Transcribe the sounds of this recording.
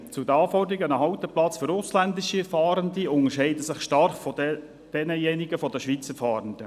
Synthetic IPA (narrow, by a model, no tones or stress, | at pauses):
t͡sud̪əɑːfɔrdəɾiɡənəɦɑwt̪əplɑt͡sføɾʊslænd̪ɪʃiɛfɑːɾəndiʊnəʃɛɪdəsɪχʃtɑrχfɔ | d̥ɛnəjɛniɡəfɔd̪əʃʋit͡səɾfɑːɾənd̥̪ə